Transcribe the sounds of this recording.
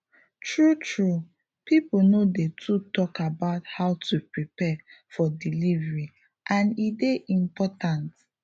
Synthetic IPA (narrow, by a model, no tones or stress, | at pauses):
tɹutɹu | piponodetʰutɔkabaʊthaʊtupɹipɛfɔdilivɹi | ʔãnideʔĩmpɔtãnt